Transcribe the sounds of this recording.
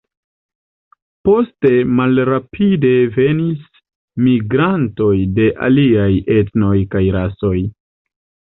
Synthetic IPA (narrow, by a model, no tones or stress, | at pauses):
po̞ste̞malɾapʰide̞ve̞nis | miɡɾanto̞jde̞ʔa̰liaje̞tno̞jkajɾaso̞j